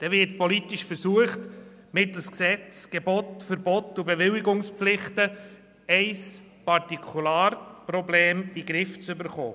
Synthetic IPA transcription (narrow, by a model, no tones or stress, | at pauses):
d̪̥ɛvɪɾtpɔlitɪʃfəɾsuəχt | mɪtl̩sksɛt͡sɡ̥ɛbɔtfəɾbɔtubɛvɪwɪɡʊŋspflɪχtə | ɛɪs | pɑɾtikʰulaːɾpɾɔbleːmiɡɾɪft͡sʏbəɾχoː